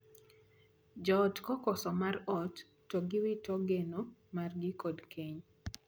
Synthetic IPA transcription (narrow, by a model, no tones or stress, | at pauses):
d͡ʒɔtkɔkɔsɔmarɔtː | ɔɡɪwɪtɔɡenomarɡɪkodkʰeɲ